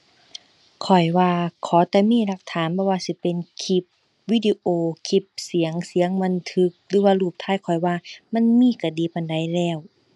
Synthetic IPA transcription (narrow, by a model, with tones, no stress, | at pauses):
kʰɔ˨˩jwaː˧kʰɔː˨˦t̪ɛː˧˦miː˧˥˨la˧k̚t̪ʰaː˨˦nbʰɔː˧˦waː˧si˧˦pe˨nkʰi˧p̚ | wiː˧˨di˧ʔoː˧kʰi˧˩p̚si˨˩˦əŋsi˩˦əŋma˧˥˨nt̪ʰɯ˧k̚lɯː˨˦waː˧luː˧˩p̚t̪ʰaː˧˩˨jkʰɔ˨˩jwaː˧ma˧˥˨nmiː˧˥˨ka˧˩diː˧˦pa˧˨nda˧˩jlɛː˧˩w